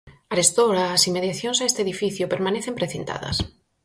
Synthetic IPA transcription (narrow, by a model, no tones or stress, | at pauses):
aɾest̪oɾaːsimeðjaθjõŋsaest̪eðifiθjʊpeɾmãneθẽmpɾeθent̪a̰ðɐ̰s